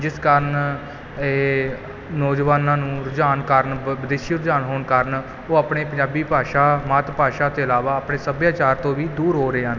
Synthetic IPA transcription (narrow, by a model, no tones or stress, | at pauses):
d͡ʒɪskaːɾən | eː | nɔːd͡ʒʋaːnãːnũːɾʊd͡ʒaːnkəɾnʋɪd̪eːʃiːɾʊd͡ʒaːnɦoːɳkəɾən | oːaːpɳeːpəɲd͡ʒaːbiːpaːʃaːmaːt̪paːʃãːt̪ẽːəlaːʋaːəpɳeːsəbjaːt͡ʃaːɾt̪õːʋiːd̪uːɾɦoːɾəeːɦəːn